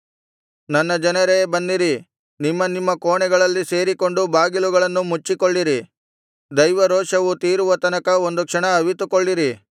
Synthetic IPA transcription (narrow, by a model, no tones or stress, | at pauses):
nɐnːɐd͡ʒɐnɐɾebɐnːiɾi | nimːɐnimːɐkoːɳɛɡɐɭɐlːise̞ːɾiko̞ɳɖubaːɡiluɡɐɭɐnːumut͡ʃːikoɭːiɾi | d̪ɐjʋɐɾoːʂɐʋut̪iːɾuʋɐt̪ɐnɐkɐo̞nd̪ukʂɐɳɐːʋit̪ukoɭːiɾi